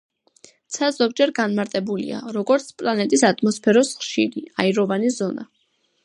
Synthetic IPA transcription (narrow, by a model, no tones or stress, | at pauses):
t̪sʰaz̥ɔɡ̚d͡ʒɛɾɡanmaɾt̪ʼɛbulḭa̰ɾɔɡɔɾt̪sʰpʼlanɛt̪ʼisat̪ʼmɔspʰɛɾɔsχʃiɾiaiɾɔvanizɔna̰